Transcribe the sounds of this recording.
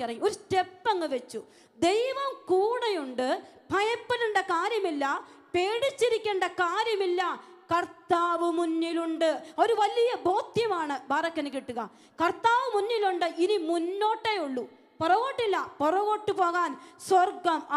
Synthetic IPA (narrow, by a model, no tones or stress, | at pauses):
ɐrɐŋːuoɾutepːɐŋːɐʋet͡ɕːu | d̪e̞jʋɐmkuːɳɐjuɳɖɨpɐjɐpːɐluɳɖɐkaːɾjɐmilːɐ | pe̞ːɽit͡ɕːiɾikʲːeːɳɖɐkaːɾjɐmilːɐ | kɐrt̪ːaːʋɨmunːiluɳɖɨo̞ɾuʋɐlijɐbʱo̞ːd̪jɐmaːɳɨbʱaːrɐkʲːɐnɨkːiʈːuɣɐ̰ | kɐrt̪ːaːʋɨmunːiluɳɖɨʔinimunːo̞ːʈːejuɭːu | pɔrɐɣoːʈːilːɐpurɐɣo̞ːʈːɨpo̞ːɣaːnswɐrɡɐm